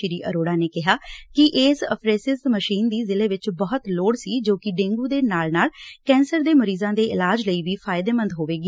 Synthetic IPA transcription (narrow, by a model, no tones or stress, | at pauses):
ɪɾiːʔə̰ɾoːɽaːneːkɪɦaːkɪʔeːsə̰pʰɾeːsɪsməʃiːnd̪iːzɪleːʋɪt͡ʃbəɦət̪loːɽsiːd͡ʒoːkɪɖẽːŋɡuːd̪eːnaːlnaːlkɛ̃ːnsəɾd̪eːməɾiːzãːd̪eːɪlaːd͡ʒləiːʋiːpʰaːɪd̪eːmə̃nd̪ɦoːʋeːɡ